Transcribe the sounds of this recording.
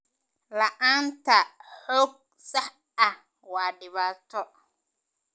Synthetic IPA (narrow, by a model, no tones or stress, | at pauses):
lɐʔaːnt̪ʰɐħɔːɡ̚ | sɐħ | ɐh | waːɖɪβaːt̪ʰɔ